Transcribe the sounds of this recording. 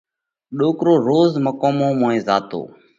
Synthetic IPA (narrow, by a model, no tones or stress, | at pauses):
ɗoːkɾoːɾoːzməkoːmõːmõːẽːza̰ːt̪o̰ː